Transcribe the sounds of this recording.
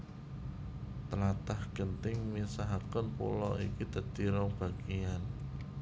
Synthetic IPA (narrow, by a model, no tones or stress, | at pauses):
t̪əlat̪ahɡ̥ənt̪ɪŋmisaɦakənpṵlɔ̰ikid̪̥ə̤t̪iɾɔb̥a̤ɡ̥ijan